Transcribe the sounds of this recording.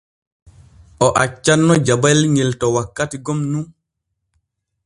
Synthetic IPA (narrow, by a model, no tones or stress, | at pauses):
ʔɔʔat͡ʃːanːɔd͡ʒabalɲeltɔwakːatiɡɔmnun